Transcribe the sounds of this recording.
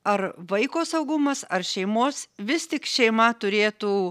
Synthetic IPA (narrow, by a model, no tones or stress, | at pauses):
ɐrʋɐɪkoːsɐʊɡʊmɐsɐrʃʲɛɪmoːsʋʲɪst̪ʲɪkʃʲɛɪmɐt̪ʊɾʲeːt̪uː